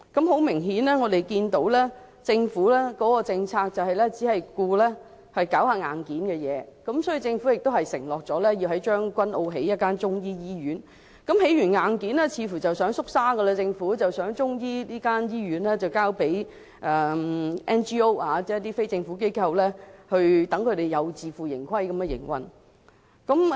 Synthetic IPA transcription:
kɐ˨˦˥mɦo˨˥wmɪ˨˩ŋɦiː˨˥nlɛː˥ŋɔː˨˧d̪e˨jkiː˧nt̪o˨˥wlɛː˥ | t͡sɪ˧ŋfuː˨˥lɛː˥kɔː˨˥kɔː˧t͡sɪ˧ŋt͡sʰaː˧k̚t͡sɐ˨wɦɐ˨jlɛ˥t͡si˨˥hɐ˨jkuː˧lɛː˥ | hɐ˨jkaː˨˥whaː˧ŋaː˨nkiː˨˥nkɛː˧jɛː˨˧˦kɐ˨˦˥msɔː˨˥ji˨t͡sɪ˧ŋfu˨˥jɪ˨k̚t̪o˥whɐ˨jsɪ̰˨˩ŋlɔː˨k̚t͡sɔː˨˥lɛ˥ji˧wɦɐ˨˥jt͡ʃœː˥ŋkʷɐ˥nʔo˧wɦe˨˥jɐ˥t̚kaː˥nt͡sʊ˥ŋjiː˥jiː˥ɥyː˨˥n | kɐ˨˥mhe˨˥jyː˨˩nŋaː˨˧nkiː˨˥nɛ˥t͡sʰiː˨˧fuː˨˩t͡sɐ˨˩wsœː˨˥ŋsʊ˥k̚saː˥ɡə˧lɐ˧t͡sɪ˧ŋfuː˨˥t͡sɐ˨wsœː˨˥ŋt͡sʊ˥ŋjiː˥liː˥kaː˥njiː˥ɥyː˨˥nlɛː˥t͡sɐ˨wkaː˥wpe˨˥j | ʔɛ˨˩ʔɛː˥nt͡ʃiː˥o˥waː˨˧t͡sɛː˥t̪iː˥fe˥jt͡sɪ˧ŋfuː˨˥k̬e˥jkʰɐ˧wlɛː˥hɵ˧ɥt̪ɐ˨˥ŋkʰɵ˨˧ɥɾe˨˩jɐ˨˧wt͡siː˨˧fuː˨˩jɪ̰˨˩ŋkʷʰɐ˥jkɐ˨˦mkɛ˧jɪ̰˨˩ŋwɐ̰˨n | kɐ˨˥m

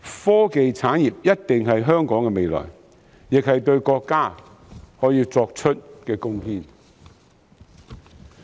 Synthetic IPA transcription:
fɔː˥ke˨jt͡sʰaː˨˥njiː˨p̚jɐ˥t̚t̪ɪ˨ŋɦɐ˨jɦœː˥ŋkɔː˨˥ŋkɛː˧me˨jlɔ̰ː˨˩j | jɪ˨k̚hɐ˨jt̪ɵ˧ɥkɔː˧kːaː˥ | hɔː˨˥jiː˧t͡sɔː˧k̚t͡ʃʰɵ˥t̚kɛː˧kʊ˥ŋhiː˥n

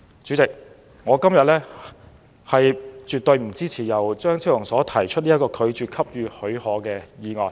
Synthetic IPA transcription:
t͡ʃyː˨˥t͡sɪ˨k̚ | ŋɔː˨˧kɐ˥mjɐ˨t̚lɛː˥ | hɐ˨jt͡ʃyː˨t̪ɵ˧ɥm̩˨˩t͡siː˥t͡sʰiː˨˩jɐ˨˩wt͡ʃœː˥ŋt͡sʰi˥wʊ˨˩ŋsɔː˨˥t̪ʰɐ˨˩jt͡ʃʰɵ˥t̚liː˥ɐ˥kɔː˧kʰɵ˨˧ɥt͡ʃyː˨˩kʰɐ˥p̚jyː˨˧hɵ˨˧˥ɥhɔː˨˥kɛː˧jiː˨˧ŋɔː˨˩n

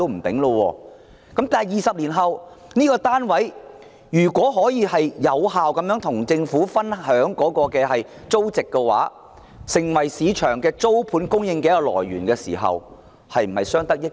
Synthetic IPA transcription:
o˥m̩˨˩t̪ɪ˨˥ŋlo˧wɔ̰ː˧ | kɐ˨˥mt̪aː˨jiː˨˩sɐ˨p̚liː˨˩nɦɐ˨w | niː˥kɔː˧t̪aː˥nwɐ˨˥j | jyː˨˩kʷɔː˨˥ɦɔː˨˥jiː˧hɐ˨jjɐ˨˧whaː˨wkɐ˨˥mjœː˨˥ŋt̪ʰʊ˨˩ŋt͡sɪ˧ŋfuː˨˥fɐ˥nhœː˨˥ŋkɔː˨˥kɔː˧kɛː˧ɦɐ˨j | t͡so˥wt͡sɪ˨kːɛ˧wa̰ː˨˥ | sɪ˨˩ŋwɐ˨˩jsiː˨˧t͡ʃʰœː˨˩ŋkɛː˧t͡so˥wpʰuː˨˥nkʊ˥ŋjɪ˧ŋkɛː˧˦˥kːɔ˧lɔ̰ː˨˩jɥyː˨˩nkɛː˧sḭː˨˩ɦɐ̰˨w | hɐ˨jm̩˨˩hɐ˨jsœː˥ŋt̪ɐ˥k̚jɪ˥

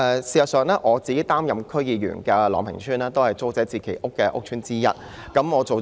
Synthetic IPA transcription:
ɛː˨˧siː˨˩sɐ˨t̚sœː˨˧ŋlɛː˥ʔɔː˨˧t͡siː˨ke˨˥jt̪aː˥mjɐ˨mkʰɵ˥ɥjiː˨˩jy̰˨˩nkɛː˧lɔ̰ː˨˩ŋpʰɪ̰˨˩ŋsʰyː˥naː˥t̪o˥whɐ˨jt͡so˥wt͡sɛː˨˥t͡sʰiː˨˩kʰe˨˩jʔʊ˥kːɛː˧ʔʊ̰˥k̚t͡ʃʰyː˥nt͡siː˥jɐ̰˥t̚ | kɐ˨˥mɔː˨˧t͡so˨w

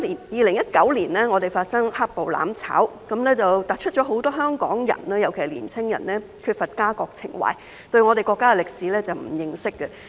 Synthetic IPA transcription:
i˨˩jiː˨lɪ˨˩ŋjɐ˥t̚kɐ˨˥wliː˨˩nɛː˥ŋɔː˨˧t̪e˨jfaː˧t̚sɐ˥ŋha˥k̚po˨wla̰ː˨˥mt͡sʰa̰ː˨˥wkɐ˨˥mlɛː˥t͡sɐ˨wt̪aː˨t̚t͡ʃʰɵ˥t̚t͡ʃɔː˨˥ɦo˨˥wt̪ɔː˥ɦœː˥ŋkɔ̰ː˨˥ŋjɐ̰˨˩naː˧jɐ˨˩wkʰe˨˩˨lḭː˨˩nt͡sʰɪ˥ŋjɐ˨˩nlɛː˥ | kʰyː˧t̚fɐ˨t̚kaː˥kɔː˧k̚t͡sʰɪ̰˨˩ŋwa̰ː˨j | t̪ɵ˧ɥŋɔː˨˧ɾe˨jkɔː˧kːaː˥ɛ˨lɪ˨k̚siː˨˥lɛː˥t͡sɐ˨wm̩˨˩jɪ˨ŋsɪ˥kːə˧

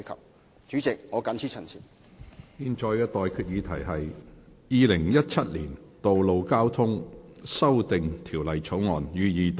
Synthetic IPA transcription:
kʰɐ̰˨p̚ | t͡ʃyː˨˥t͡sɪ˨k̚ŋɔː˨˧kɐ˨˥nt͡sʰiː˨˥t͡ʃʰɐ˨˩nsʰḭ˨˩ | jiː˨˧nt͡ʃɔː˧jkɛː˧t̪ɔː˨jkʰyː˧t̚jiː˨˧t̪ʰɐ˨˩jɦɐ˨jjiː˨˧lɪ˨˩ŋjɐ˥t̚t͡ʃʰɐ˥t̚lḭː˨˩nt̪o˨wlo˨˧wkaː˥wt̪ʰʊ˥ŋsɐ˥wt̪ɪ˨ŋt̪ʰi˨˩wlɐ˨jt͡sʰo˨˥wŋɔː˨njyː˨˧jiː˨˧t̪

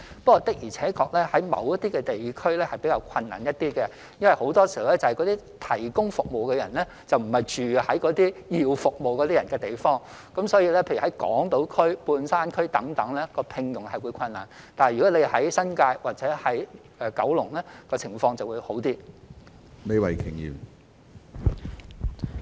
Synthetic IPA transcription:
pkːɔː˧t̪ɪ˥k̚jiː˨˩t͡sʰɛː˨˥kʰɔː˧k̚lɛ˥hɐ˨˥jmɐ̰˨˥wjɐ˥t̚t̪iː˥kɛ˧t̪e˨jkʰɵ˥ɥlɛː˥hɐ˨jpe˨˥kaː˧wkʰɐ˧nːa̰ː˨˩njɐ˥t̚t̪iː˥kɛ˧ | jɐ˥nwɐ˨jho˨˥wt̪ɔː˥si˨hwlɛ˦˥t͡sɐ˨˩hɐ˨jkɔː˨˥t̪iː˥ | t̪ʰɐ˨˩jkʊ˥ŋfʊ˨k̚mo˨wkɛ˧jɐ˨˩nlɛ˥ | t͡sɐ˨wm̩˨˩hɐ˨jt͡ʃyː˨hɐ˨˥jkɔː˨˥t̪iː˥ji˨wfʊ˨k̚mo˨wkɔː˨˧t̪iː˥jɐ˨˩nkɛː˧t̪e˨jfɔː˥ŋ | kɐ˨˥msɔː˨˥jiː˧lɛː˥pʰe˧jɥhɐ˨˦˥jkɔ̰ː˨˥ŋt̪o˨˥wkʰɵ˥ɥpuː˧nsaː˥nkʰɵ˥ɥt̪ɐ˨˥ŋt̪ɐ˨˥ŋlɛ˥kɔː˧pʰɪ˧ŋjʊ˨˩ŋhɐ˨jwu˨˧jkʷʰɐ˧nːa̰ː˨˩n | t̪aː˨n˨jy˨kɔ˨˥le˨˧hɐ˨˥jsɐ˥nkaː˧jwaː˨˩t͡sɛː˨˥hɐ˨˥j | ʔɛː˨kɐ˨˥wlʊ˨˩ŋlɛː˥kɔː˧t͡sʰɪ˨˩ŋfɔː˧ŋt͡sɐ˨wuː˨˧jho˨˥wt̪iː˥ | me˨˧jwɐ˨jkʰɪ˨˩ŋjḭː˨˩m

